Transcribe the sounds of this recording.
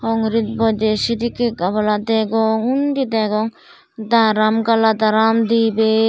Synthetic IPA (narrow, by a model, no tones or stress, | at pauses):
ɔŋɾit̪̚bɔd͡ʒesid̪ikekabalat̪ɛɡɔŋundid̪ɛɡɔŋ | d̪aɾamkalad̪aɾamd̪ibe